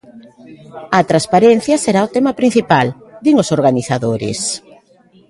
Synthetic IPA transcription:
ɐt̪ɾaspaɾɛn̟θjɐseɾaot̪emɐpɾin̟θipald̪iŋʊsoɾɣaniθaðoɾɪ̰s

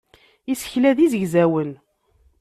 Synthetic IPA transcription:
isə̥çlæðizəʝzæwən

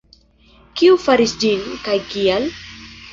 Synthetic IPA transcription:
kiufaɾisd͡ʒinkajkial

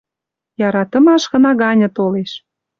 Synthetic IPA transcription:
jɑɾɑt̪ə̆mɑʃɣɤ̆nɑɣɑnʲɤ̆t̪oleʃ

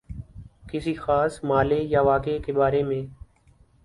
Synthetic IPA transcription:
kɪsiːxaːsmaːleːjaːʋaːkeːkeːbaːɾeːmẽː

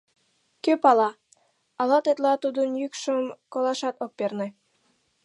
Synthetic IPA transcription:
køpɑlɑ | ɑlɑt̪et̪lɑt̪ud̪ənjykʃəmkolɑʃɑt̪op̚pernĕ

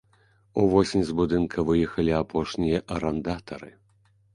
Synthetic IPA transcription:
uvɔsʲimʲzbud̪ɨnkʰɐvɨjɛxɐlʲiapʰɔʂnʲijɐʔɐɾɐnd̪at̪ɐɾɨ̰

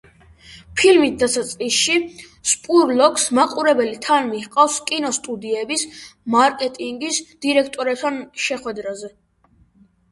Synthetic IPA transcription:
pʰilmit̪̚d̪asat̪sʼqʼisʃi | spʼuɾlɔksmaqʼuɾɛbɛlit̪ʰanmihqʼafskʼinɔst̪ʼud̪iɛbismaɾkʼɛt̪ʼiŋɡisd̪̥iɾɛkʰt̪ʼɔɾɛp̚t̪ʰanʃɛχwɛd̪ɾazɛ

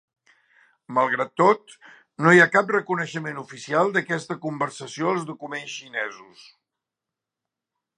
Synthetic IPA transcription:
məlˠɣ̞ɾat̪ːot̪̚ | nojakap̚rəkunəʃəmenufisialˠd̪əkɛst̪əkumbərsəsioəlˠzðukumensʃinɛzus

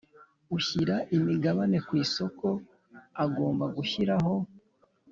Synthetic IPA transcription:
uçiɾaʔimiɡaβane̞kwiːso̞ko̞ | aɡo̞ːmbaɡuçiɾaɦo̞

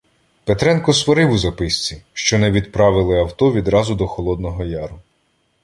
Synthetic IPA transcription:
pet̪ɾɛnkɔsʋɔɾɪwʊzɐpɪsʲt͡sʲiʃt͡ʃɔnɛʋʲid̪pɾɑʋɪlˠɪɐwt̪ɔʋʲid̪ɾɑzʊd̪ɔxɔlˠɔd̪nɔɦɔjɑɾʊ

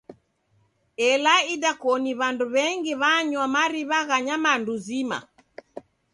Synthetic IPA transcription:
ɛlaidakɔniβanduβɛŋɡiβaɲwamaɾiβaɣaɲamanduzima̰

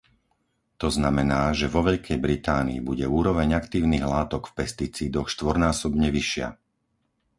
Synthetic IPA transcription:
t̪ɔznamɛnaːʒɛʋɔʋɛʎkʰɛjbɾit̪aːnḭːbuɟɛuːɾɔʋɛɲakt̪iːʊniːɣlaːt̪ɔkfpɛst̪it͡siːd̪ɔxʃt̪ʋɔɾnaːsɔbɲɛʋiʃɪa̰

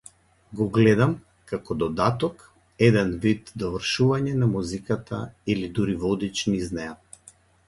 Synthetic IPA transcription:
ɡɔɡlɛd̪am | kakɔd̪ɔd̪at̪ɔk | ɛd̪ɛnvid̪d̪ɔvrʃuvaɲɛnamuzikat̪ʰa̰ilid̪uɾivɔd̪it͡ʃniznaja

